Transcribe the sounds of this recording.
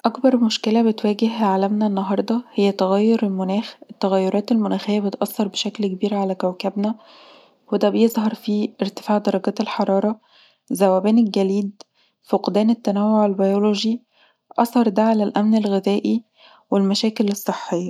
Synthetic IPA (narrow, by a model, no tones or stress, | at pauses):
ʔɑkbɑɾˤmoʃkelæbet̪wæːɡehʕalæmnæenːɑɦɑɾˤd̪ˤɑhejːæt̪æɣæjːoɾelmonæːxet̪ːæɣæjːoɾˤɑːt̪elmonæːxɪjːæbet̪ʔɑsːɑɾˤbeʃæklkebiːɾʕalækæwkæbnæ | wed̪æbejezˤɦɑɾˤfieɾt̪e̥faːʕd̪ɑɾˤɑɡæːt̪elħɑɾˤɑːɾˤɑ | zæwːæbæːnelɡæliːd̪ | foqd̪æːnet̪ːænæwːoʕelbɑjoloʒi | ʔɑsˤɑɾˤd̪æʕalælʔæmnelɣezæːʔi | welmæʃæːkelesˤːeħːejːɑ